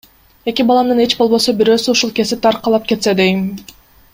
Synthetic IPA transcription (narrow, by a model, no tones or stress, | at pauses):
e̞kʲibɑlˠɑmd̪ɯne̞t͡ʃbo̞lˠβo̞sobiɾø̞ːsyuʃulˠke̞zit̪ʰɑɾqʰɑlˠɑp̚ke̞t̪se̞d̪e̞jim